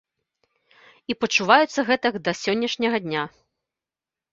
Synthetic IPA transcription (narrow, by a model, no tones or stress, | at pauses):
ipɐt͡ʂuvajut̪sːɐɣɛt̪ɐkd̪ɐsʲɔnʲːɐʂnʲɐɣɐd̪ʲnʲa